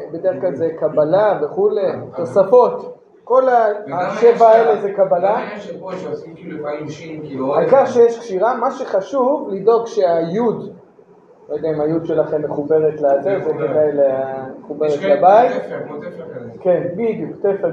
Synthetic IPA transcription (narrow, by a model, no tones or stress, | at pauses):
bed̪eʁχklalzekabalave̞χule̞t̪o̞safo̞t̪ | ko̞laaʃevaelezekabala | akaχʃejeʃkʃiʁamaʃeχaʃuvlid̪o̞ɡʃeajud̪ | lojd̪eaimajud̪ʃe̞laχe̞mːeχube̞ʁet̪leazezeked̪ajleameχube̞ʁet̪labait̪ | kenbid̪jukt̪efe